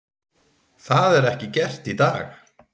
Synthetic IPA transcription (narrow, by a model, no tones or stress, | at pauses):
θaðɛɾɛhcɪcɛr̥t̪it̪aːx